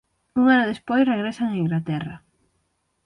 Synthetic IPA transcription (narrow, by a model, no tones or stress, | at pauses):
uŋanaðespojsreɣɾesaŋaiŋɡlat̪ɛrɐ